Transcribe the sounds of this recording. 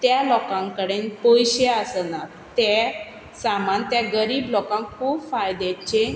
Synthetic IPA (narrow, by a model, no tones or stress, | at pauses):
t̪jalɔkãŋkəɽenpojɕeasna | t̪e | samant̪jaɡəɾiːblɔkãŋkkʰuːbfajd̪et͡ɕẽ